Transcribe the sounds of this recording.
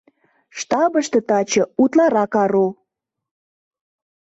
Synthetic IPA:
ʃt̪ɑbəʃt̪ɤ̆t̪ɑt͡ɕɤ̆ut̪lɑɾɑkɑɾo

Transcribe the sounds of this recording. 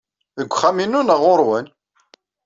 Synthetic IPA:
ðəɡʷːχæminːunəʁoɾˤwæn

